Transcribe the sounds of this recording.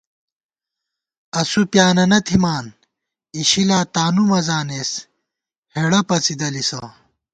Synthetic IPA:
ɐsupjaːnɐnɐt̪ʰimaːn | iɕilaːt̪aːnumɐzaːneːs | heɽɐpɐt͡sid̪ɐlisɐ

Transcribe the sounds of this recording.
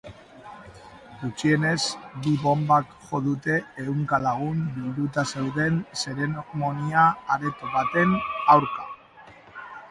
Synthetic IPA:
ɡut͡ʃie̞ne̞zbiβo̞mbakʝo̞ðut̪e̞ːuŋkalaɣ̞umbild̪ut̪ase̞wðe̞nse̞ɾe̞nomo̞niaːɾe̞t̪oβat̪e̞nawɾka

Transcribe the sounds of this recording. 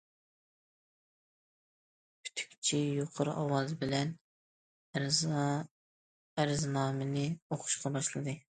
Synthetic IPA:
pʰy̥t̪ʰy̥kʲt͡ʃʰijoqʰəɾɑwɑzbɪlɛn | æɾɪznɑːmɨnɨoχʰʊ̥ʃqɑbɑʃlˠɨd̪ɨ

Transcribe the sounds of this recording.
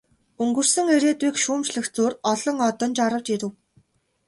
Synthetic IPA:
ɵŋɡɵ̆r̥sɵ̆ŋeɾeːt̪wiːkʃuːmt͡ɕɮɘ̆xt͡suːrɔɮɞ̆ŋɔt̪ɞ̆nt͡ɕaɾə̆wt͡ɕeɾɘ̆w

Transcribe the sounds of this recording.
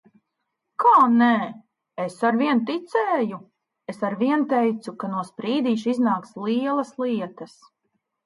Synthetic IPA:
kʰaːnɛː | esaɾviɛnt̪it̪sɛːju | esaɾviɛnt̪ɛjt̪sukanuɔspɾiːd̪iːʃiznaːkslˠiɛlˠɐslˠiɛt̪ɐs

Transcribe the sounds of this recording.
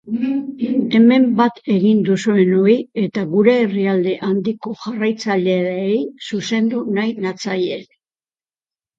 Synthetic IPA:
e̞me̞mbat̪e̞ɣind̪usue̞no̞ie̞t̪aɣuɾe̞ːriald̪e̞ʔand̪iko̞ʝarajt͡saʎe̞ejsuse̞nd̪unajnat͡saje

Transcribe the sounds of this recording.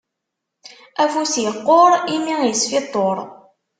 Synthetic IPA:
æfusjəqːoɾˤimijəsfit̪ˤːoɾˤ

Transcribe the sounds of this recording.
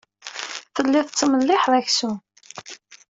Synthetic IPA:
θəlːiθt͡sːəməlːɪħðæçsu

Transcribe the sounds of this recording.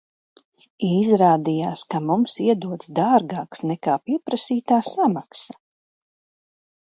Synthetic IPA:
izɾaːd̪ijaːskamumsiɛd̪uɔt̪sd̪aːɾɡaːksnɛkaːpiɛpɾasiːt̪aːsamaksa

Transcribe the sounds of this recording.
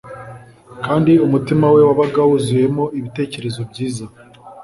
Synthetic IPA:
kaːndiumutimawe̞waβaɡawuzuje̞mo̞iβite̞ːce̞ɾe̞zo̞bɟiːza

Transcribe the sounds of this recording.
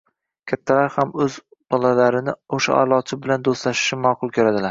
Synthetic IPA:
kʲʰat̪ʰːalaɾhamɵz | b̥ɒlˠalaɾɪnɪoʃa̰ʔa̰ɾlˠɒt͡ʃʰɪbɪland̪ost̪laʃɪ̥ʃɪmɒːqʰʊlˠkʰʲɵɾad̪ɪlaɾ

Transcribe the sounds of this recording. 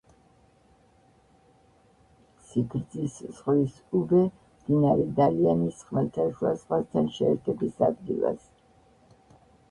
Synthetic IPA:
siɡɾd̪zisz̥ʁlis | ubɛ | md̪̥inaɾɛd̪alianisχmɛlt̪ʰaʃuazʁwast̪ʰanʃɛːɾt̪ʰɛbisa̰d̪̚ɡḭlˠa̰s

